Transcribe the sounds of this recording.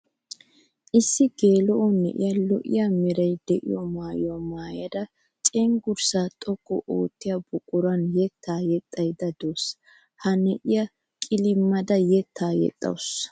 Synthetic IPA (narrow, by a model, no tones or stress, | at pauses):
ʔɪsːɪɡeːlɔʔɔnɛ̰ʔɪ̰jɐlɔʔɪ̰jamɛɾɐjd̪ɛʔɪ̰jɔmaːjɔmaːjɐd̪ɐ | t͡ʃʼɛŋɡʊɾsaːt̪ʼɔkːɔ̰ʔo̰ːt̪ːɪjɐbʊkʼːʊɾɐnjɛt̪ʰːaːjɛt̪ʼːɐjd̪ɐd̪oːs | hɐnɛʔɪjɐ | kʼɪlɪmːɐd̪ɐjɛt̪ʰːaːjɛ̰t̪ʼːɐ̰ws